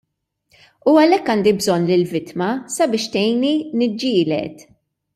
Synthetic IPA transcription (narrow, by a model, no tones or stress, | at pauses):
uɐlɛkːɐnd̪ibzɔnːlɪlvɪt̪mɐsɐbɪːʃt̪ɛjninɪd͡ʒːɪːlɛ̰t̪